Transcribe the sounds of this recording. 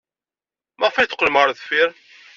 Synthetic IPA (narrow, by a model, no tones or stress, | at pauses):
mæʁfæjθə̥qːləmʁəɾˤðfɪɾ